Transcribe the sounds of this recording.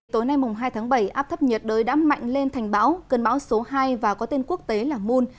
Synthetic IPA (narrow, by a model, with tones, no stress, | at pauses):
t̪o˨˦jna˧jmʊ˨˩ŋ͡mɦaː˧jt̪ʰaː˨˦ŋɓə˧˩jʔaː˦˥p̚t̪ʰə˦˥p̚ɲə˨˩t̚ɗəː˨˦jɗa̰ː˨˥mma̰˧˨jŋ̟le˧nt̪ʰɛ˨˩jŋ̟ɓaː˨˦wkə˨˩nɓaː˨˦wso˨˦ɦaː˧jvaː˨˩kɔ˨˦t̪e˧nku˦˥ək̚t̪e˨˦laː˨˩mu˧n